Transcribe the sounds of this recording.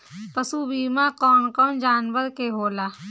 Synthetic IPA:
pəsubiːmãkɔːnkɔːnd͡ʒaːnʋəɾkeɦoːlaː

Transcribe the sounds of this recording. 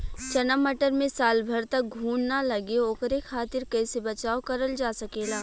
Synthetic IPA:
t͡ʃɐnəmːɐʈəɾmẽsaːlbʱɐɾt̪ɐk̚ɡʱuːnnalɐɡeoːkəɾekʰaːt̪ɪɾkɛːsebɐt͡ʃaːokɐɾəld͡ʒaːsɐkeːlaː

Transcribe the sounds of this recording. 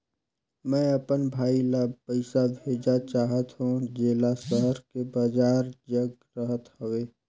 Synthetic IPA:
mɛ̃ːɐpənbʱaːilapəɪsabʱeːd͡ʒat͡ʃaːɦət̪ɦũd͡ʒeːlasəɦəɾkebad͡ʒaːɾd͡ʒəɡ | ɾəɦət̪hoʋeː

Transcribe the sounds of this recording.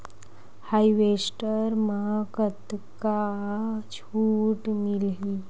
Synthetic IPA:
hajiʋesʈəɾmakət̪ka | t͡ɕʰuʈmilɦi

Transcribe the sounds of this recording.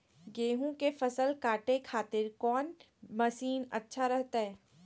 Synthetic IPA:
ɡeːɦũkefɐsəlkaːʈekʰaːt̪ɪɾkɔːn | mɐsiːnɐ̰tːʃʰaɾɛɦt̪aɦɛː

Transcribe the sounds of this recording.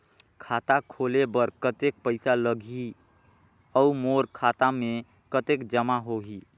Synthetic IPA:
kʰat̪akʰolebəɾkət̪ek̚pəɪsaləɡʱi | ɔumoɾkʰat̪ame | kət̪ekd͡ʒəmaɦoɦi

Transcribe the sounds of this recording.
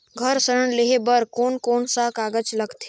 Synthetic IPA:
ɡʱəɾsəɾəɳleɦebəɾkoːnkoːnsakaːɡəd͡ʒlɐɡt̪ʰi̥

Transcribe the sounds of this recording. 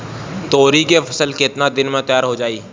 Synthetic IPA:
t̪oːɾikepʰəsəlkɪt̪nad̪ɪnmẽt̪əjaːɾɦod͡ʒaːiː

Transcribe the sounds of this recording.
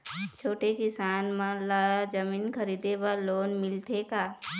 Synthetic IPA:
t͡ʃʰoːʈekɪsaːnmãlad͡ʒɐmiːnkʰɐɾiːd̪ebaloːnmɪlt̪ʰekaː

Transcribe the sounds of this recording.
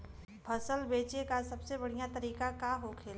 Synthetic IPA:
pʰɐsəlbeːt͡ʃekasɐbsebɐɽ̤ijat̪ɐɾiːkakaɦokʰeːl

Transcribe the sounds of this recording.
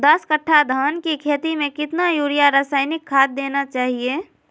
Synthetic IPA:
d̪əskəʈʰːad̪ʱaːnkikʰeːt̪imẽkɪt̪najuːɾijaɾaːsaːɪnɪkʰːaːd̪̚ːeːnat͡ʃaːɦie

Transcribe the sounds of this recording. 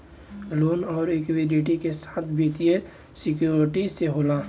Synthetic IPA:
loːnɔːɾekweɖiʈikesaːt̪ʰbʱit̪ije | sɪkjuːɾɪʈiseɦola

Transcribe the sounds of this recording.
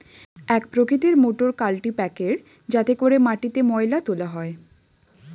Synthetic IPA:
ɛkpɾokit̪̬iɾmoʈoɾkalʈipɛkeɾ | d͡ʑat̪ekoɾemaʈit̪emɔelat̪olaɦɔe

